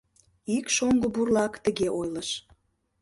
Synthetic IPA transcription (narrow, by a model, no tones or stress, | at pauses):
ikʃoŋɡŏburlɑkt̪əɣeʔojləʃ